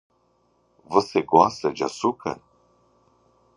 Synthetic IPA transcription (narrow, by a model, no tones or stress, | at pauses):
vəseɡwasəd͡ʒa̰sukə̰n